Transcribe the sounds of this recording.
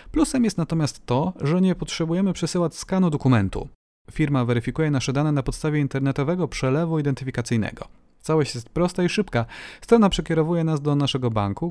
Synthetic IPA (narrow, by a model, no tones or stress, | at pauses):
plusɛmjɛst̪nat̪ɔmʲjast̪ːɔʐɛɲɛpɔtʂɛbujɛmɘpʂɛsɘwat͡ɕskanud̪ɔkumɛnt̪ṵ | fʲiɾmavɛɾɘfʲikujɛnaʂɛd̪anɛnapɔt̪st̪avʲjɛint̪ɛɾnɛt̪ɔvɛɡɔpʂɛlɛvuid̪ɛnt̪ɘfʲikat̪sɘjnɛ̰ɡɔ̰ | t̪sawɔɕt͡ɕjɛst̪pɾɔst̪aiʂɘpkast̪ɾɔnapʂɛkʲɛɾɔvujɛnazd̪ɔnaʂɛɡɔba̰ŋku